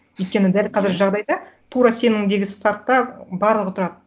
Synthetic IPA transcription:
ɵjt̪̚kʲe̞nɪd̪ælqʰɑzɪɾɪʒɑʁd̪ɑjd̪ɑt̪ʰuɾɑse̞nɪŋd̪e̞ɡʲɪst̪art̪ːɑbɑɾlˠəʁət̪ʰʊɾɑd̪ə

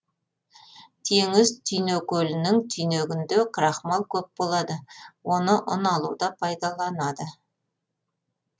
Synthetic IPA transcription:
t̪ʰeŋɪzt̪ʰijnekʲʰɵlɪnɪŋt̪ʰijneɡʲɪnd̪ekʰɾɑχmɑlˠkʲʰɵp̚b̥o̞lˠɑd̪əwo̞nəʔʊnɑlˠud̪ɑpʰɑjd̪ɑlˠɑnɑd̪ə

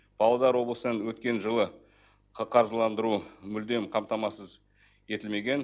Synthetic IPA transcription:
b̥ɑlˠɑd̪ɑɾwo̞blˠəsənənwɵt̪kʲe̞nʒəlˠə | qʰɑɾʒəlˠɑnd̪əɾumʏld̪e̞mqʰɑmt̪ɑmɑsəz | e̞t̪ɪlme̞ɡʲe̞n

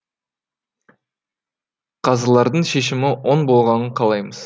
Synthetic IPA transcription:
qʰɑzəlˠɑɾd̪əɴʃe̞ʃ̬ɪmɪwo̞nbo̞lˠʁɑnəqʰɑlˠɑjməz̥

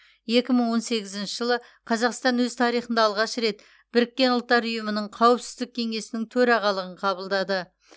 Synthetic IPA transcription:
je̞kʲɪməɴwo̞nse̞ɡʲɪzɪnʃɪʒəlˠə | qʰɑzɑqst̪ɑnwɵzt̪ʰɑɾijχənd̪ɑːlˠʁɑʃɾe̞t̪ | b̥ɪɾɪkʲːe̞nʊlˠt̪ːɑɾʊjəmənəɴqʰɑwəpsɪ̥zd̪ɪk̚ʲʰe̞ŋe̞sɪnɪŋt̪ʰɵɾɑʁɑlˠəʁəɴqʰɑβəlˠd̪ɑd̪ə

